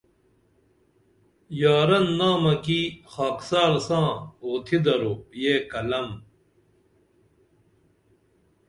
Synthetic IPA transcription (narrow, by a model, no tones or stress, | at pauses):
jaːɾɐnːaːmɐkixaːksaːɾsãːoːt̪ʰid̪ɐɾojeːkɐlɐm